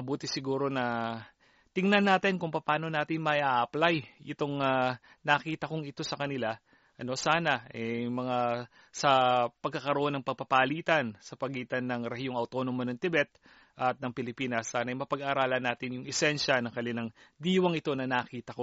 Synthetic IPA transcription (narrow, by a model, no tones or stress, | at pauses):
mɐbuːt̪ɪsɪɡuːɾo̞nɐ | t̪ɪŋnɐnːaːt̪ɪnkʊŋpɐpaːno̞naːt̪ɪŋmɐʔaʔɐplajʔɪt̪o̞ŋa | nɐːkiːt̪ɐkoŋɪt̪o̞sɐkɐnɪla | ʔɐno̞saːnɐʔɛmɐŋa | sɐpɐɡ̚kːɐkɐɾoʔonːɐŋpɐɡ̚pɐpaliːt̪ɐnsɐpɐɡiːt̪ɐnːɐŋɾɛhjoŋɐwt̪o̞ːnomɐnɐŋt̪ɪbɛt̪̚ | ʔɐt̪̚nɐŋpɪlɪpiːnɐsːaːnɐjmɐpɐɡaːɾaːlɐnaːt̪ɪnjʊŋɛsɛnʃɐnɐŋkɐlɪnɐŋd̪iːwɐŋɪt̪o̞nɐnɐːkiːt̪ɐko̞